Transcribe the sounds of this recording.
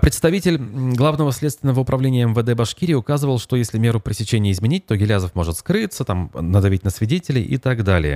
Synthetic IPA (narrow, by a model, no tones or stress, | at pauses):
pɾʲɪt̪st̪ɐvʲitʲɪlʲɡlˠavnəvəsʲlʲet̪st̪vʲɪnəvəʊpɾʔɐvlʲenʲɪjəɛmvəd̪ɛbɐʂkʲiɾʲɪjəʊkazɨvəlˠʂt̪o̞jesʲlʲɪmʲe̞ɾʊpɾʲɪsʲɪt͡ɕenʲɪjəɪzmʲɪnʲit̚ʲt̪o̞ɡʲɪlʲazəfmo̞ʐɨt̪skɾɨt̪sət̪amnəd̪ɐvʲitʲnəsvʲɪdʲetʲɪlʲɪʔɪ̰t̪aɡd̪alʲɪ̰jə̰